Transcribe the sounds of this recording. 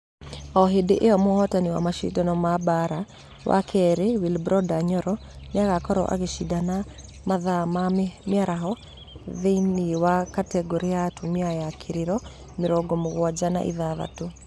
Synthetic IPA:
ɔɦedeʔeɔmɔhɔtaniwa̰maʃḭdɔnɔmabaɾa | wʔa̰kʰɛɾewilbɾɔdaɲɔɾɔ | neaɣakɔɾɔ̰ʔa̰ɣeʃidana | maðamamjaɾaɦɔ | ðeiniwakatɛɡɔɾiatumiajakʰeɾeɾɔ | meɾɔɡɔmoɣwad͡ʒana̰ʔḭðaβa̰to

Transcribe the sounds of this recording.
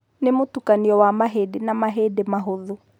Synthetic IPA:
nemotukaniɔwamaɦeːdenamaɦeːdemaɦoðo

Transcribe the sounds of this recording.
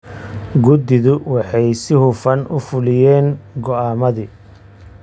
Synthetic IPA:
ɡʊd̪ɪðʊwɑħɑjsɪhʊfɐnʊfʊlɪjɛːnɡɔaːmɐðɪ

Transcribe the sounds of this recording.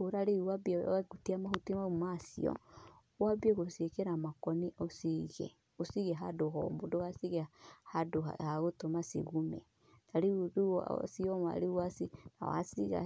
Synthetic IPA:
oɾaɾeuwabiɛɡutiamahotimaumasḭɔ̰ | wabieɣosiekɛɾamakɔniosiɣɛ̰ | osiɣɛɦadoɦɔ̰modoɣasiɣɛhado̰haɣotomasḛɣumɛ̰ | naɾeudṵsiɔma̰ɾeuwasina̰wa̰siɣa̰

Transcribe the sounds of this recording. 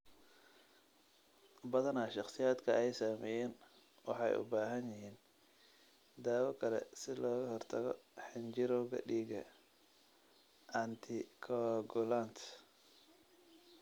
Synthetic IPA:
bɐðɐnaːʃɑχsɪjaːd̪kʰɐɛjsaːmɛːjɛːn | wɑ̰ħɑ̰jʊ̰baːɦɐnjɪɦiːn | d̪aːwɔkʰɐlɛ̰sɪlɔːɣɐɦɔrt̪ʰɐɣɔ̰ħɪnt͡ʃɪɾɔɣɐ̰ɖiːɡɐ̰ | ʔɐnt̪ʰɪkʰɔɡɔlant̪ʰ

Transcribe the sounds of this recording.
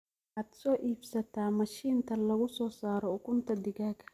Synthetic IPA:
aːd̪sɔːʔiːbsɐt̪ʰaːmɐʃiːnt̪ʰɐlɐɣʊsɔːsaːɾɔʊkʊnt̪ʰɐd̪ɪɣaːkʰɐ̥

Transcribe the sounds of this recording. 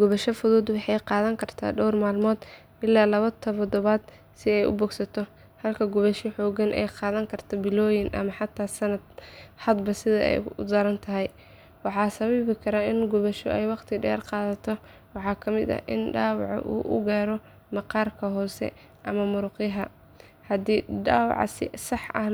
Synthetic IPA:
ɡ̥ʊβɐʃɔfʊðuːd̪wɑħɑjqɑːðɐŋkʰɐrt̪ʰa̰ːɖɔwrmaːlmɔːd̪ | ʔɪlːaːlɐβɐt̪ʰɔβd̪ɔβaːd̪ | sɪɛjʊ̰bɔːɡsɐt̪ʰɔ | hɐlkʰɐɡʊβɐʃiħɔːɡɐnʔɛ̰jqɑːðɐŋkʰɐrt̪ʰɔbɪlɔːjɪnʔɐ̰mɐħɑt̪ʰːaːsɐnɐd̪ħɐd̪bɐsɪðɐ̰ɛ̰jʊ̰d̪ɐɾɐnt̪ʰɐɦɛj | wɑħɑːsɐβiβɪkʰɐɾaːɪnɡʊβɐʃɔʔɛjwɑqt̪ʰɪɖɐjɑ̰ːrqɑːðɐt̪ʰɔ | wɑħɑːkʰɐmɪd̪ɐ̰ʔɪ̰nɖaːwɑ̰ʕɔ̰ʔṵːʔʊ̰ɡaːɾɔ | mɐqɑːrkʰɐɦɔːsɛ̰ | ʔɐmɐmʊɾʊqɪjɦɐ | hɐd̪iːɖaːwɑ̰ʕ̰sɪ̰sɑħʔɐh

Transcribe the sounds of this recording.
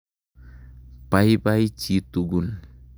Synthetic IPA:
paipait͡ʃit̪uɡun

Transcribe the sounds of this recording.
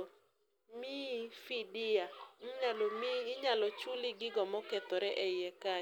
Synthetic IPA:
mifidiaɲalomiːɲalɔt͡ʃʊlɪɡɪɡɔmɔkɛt̪ɔɾɛʔɛɪɛka

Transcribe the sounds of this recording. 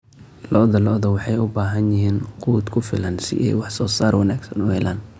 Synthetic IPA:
lɔʔðɐlɔʔðɐwɑħɑjʊbaːɦɐnjɪɦiːnquːd̪kʰʊfɪ̰lɐnsɪ̰ʔɛjwɑħsɔːsaːrwɑnaːɡsɐnʊhɛlʔaːn

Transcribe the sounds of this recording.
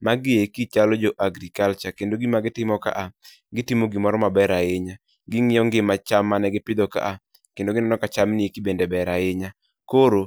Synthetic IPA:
maɡɪjekit͡ʃalɔd͡ʒɔʔaɡɾikalt͡ʃakendoɡimaɡɪtɪmɔka̰ʔa | ɡɪtimoɡimɔɾɔmabɛɾaɪɲa | ɡɪŋɪjɔŋɡɪmat͡ʃamːanɛɡɪpɪd̪ɔka̰ʔa | kendoɡɪnɛnɔkat͡ʃamnɪekibendebɛɾaɪɲa | koɾo

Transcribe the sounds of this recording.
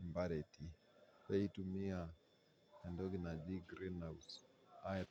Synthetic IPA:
mbaɾɛti | pɛitumia | ɛndɔɡinad͡ʒiɡɾinaus | a

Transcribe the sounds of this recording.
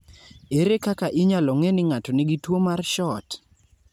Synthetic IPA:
eɾekakaʔɪɲalɔŋenɪŋatonɪɡitwomarʃɔt

